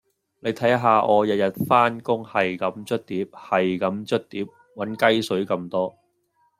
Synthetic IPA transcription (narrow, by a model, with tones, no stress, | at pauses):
le˨˧jt̪ʰɐ˨˥jɐ˥ɦaː˨˧ʔɔː˨˧jɐ˨jɐ˨t̚faː˥nkʊ˥ŋhɐ˨jkɐ˨˥mt͡ʃɵ˥t̚t̪iː˨˥p̚hɐ˨jkɐ˨˥mt͡ʃɵ˥t̚t̪iː˨˥p̚ | wɐ˨˥nkɐ˥jsɵ˨˥ɥkɐ˧mt̪ɔː˥